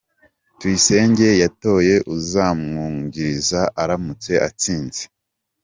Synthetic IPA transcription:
twise̞ːɲɟe̞jato̞je̞ʔuzaːmŋuːɲɟiɾizaʔaɾamut͡se̞ʔat͡siːnze̥

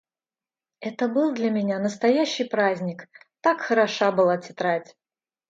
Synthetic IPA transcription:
ɛt̪əbɨlˠd̪lʲɐmʲɪnʲanəst̪ɐjæɕːɪjpɾazʲnʲɪkt̪akxəɾɐʂabɨlˠatʲɪt̪ɾatʲ

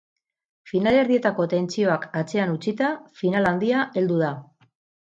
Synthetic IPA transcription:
finale̞ɾðie̞t̪ako̞t̪e̞nt͡sio̞akat͡se̞anut͡sit̪afinaland̪iaʔe̞ld̪uða

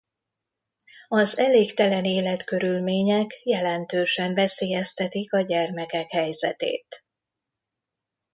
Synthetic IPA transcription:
ɒzɛleːkt̪ɛlɛneːlɛt̪kø̞ɾylmeːɲɛkjɛlɛnt̪øːʃɛɱvɛseːjɛst̪ɛt̪ikɒɟɛrmɛkɛkhɛjzɛ̰t̪ḛːt̪

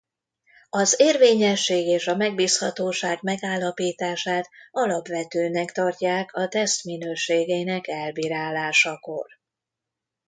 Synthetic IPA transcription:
ɒzeːrveːɲɛʃːeːɡeːʃɒmɛɡ̚biːshɒt̪oːʃaːɡmɛɡaːlːɒpiːt̪aːʃaːt̪ɒlɒpʋɛt̪øːnɛkt̪ɒrcaːkʰɒt̪ɛst̪minøːʃeːɡeːnɛkɛlbiːɾaːlːaːʃɒko̞̰r

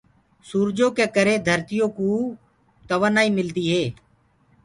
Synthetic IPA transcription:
suːɾd͡ʒoːkeːkəɾeːd̪ʱəɾt̪ɪjoːkũː | t̪əʋənaːiːmɪld̪iːɦeː

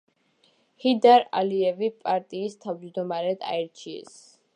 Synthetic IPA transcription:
hid̪aɾa̰liɛvipʼaɾt̪ʼiːst̪ʰavd͡ʒd̪ɔmaɾɛd̪ʰa̰ɛɾt͡ʃʰiɛ̰s

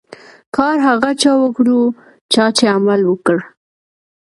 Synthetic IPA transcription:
kɑɾɦaɣat͡ʃɑwəkɽu | t͡ʃɑt͡ʃeamalwəkəɽ

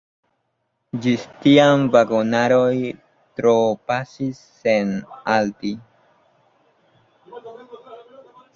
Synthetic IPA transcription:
d͡ʒistiamvaɡonaɾoj | tɾopasisːe̞nalti

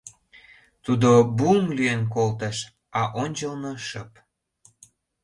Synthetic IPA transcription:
t̪ud̪obumlyjenk̬olt̪ə̆ʃ | ɑʔonʲt͡ɕəlnoʃə̆p

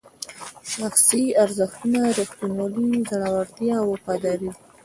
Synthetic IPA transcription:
ʃaxsiaɾzəxt̪unaɾixt̪unwɑlizaɽawaɾt̪jɑwəpɑd̪ɑɾi

